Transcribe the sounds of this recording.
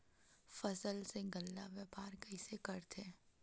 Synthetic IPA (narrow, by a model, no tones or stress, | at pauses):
fɐsəlseɡəlːaʋjəpaːɾkəɪsekɐɾt̪ʰeː